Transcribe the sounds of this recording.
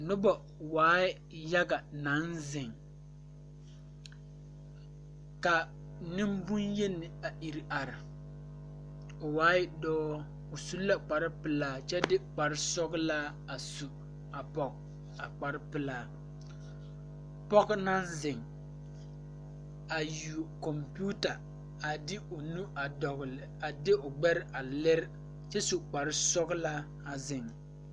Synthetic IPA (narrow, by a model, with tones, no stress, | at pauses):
nʊ˦bɔ˨ | waː˨˦ɪ˦ | ja˦ɡa˨na˨˦nzɪ˨ŋ | ka˨ | nɪ˦mbu˦nje˦nɪ˨a˨ʔi˨ɾɪ˨ʔa˨ɾɪ˨ | ʊ˨waː˨˦jɪ˦dɔː˦ | ʊ˨su˦la˦k͡pa˨ɾɪ˦pɪ˨laː˦t͡ʃɛ˦dɪ˦k͡pa˨ɾɪ˦sɔ˦ɡla˦ | a˨su˨ | a˨pɔ˨k̚ | a˨k͡pa˨ɾɪ˦pɪ˨laː˦ | pɔ˦kna˦zɪ˨ŋ | a˨ju˨kɔ˨mpu˦ta˨ | a˨dɪ˦o˨nu˦a˨dɔ˨ɣlɪ˨a˨dɪ˦ʊ˨ɡ͡bɛ˦ɾʔa˨lɛ˦ɾ | t͡ʃɛ˦su˨k͡pa˨ɾɪ˦sɔ˦ɡla˦ | a˨zɪ˨ŋ